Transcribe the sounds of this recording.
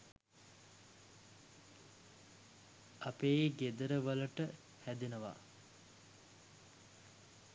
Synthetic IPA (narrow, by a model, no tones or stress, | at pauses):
apeːɡed̪əɾəʋələʈə | hæd̪enəʋa̰